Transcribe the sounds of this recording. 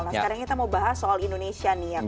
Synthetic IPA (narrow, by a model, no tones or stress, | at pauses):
nasəkaɾaŋkit̪amaubaɦasoalindonesianija